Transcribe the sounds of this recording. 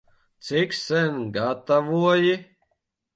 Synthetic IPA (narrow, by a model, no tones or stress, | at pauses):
t̪siksɛnʲɡat̪avuɔji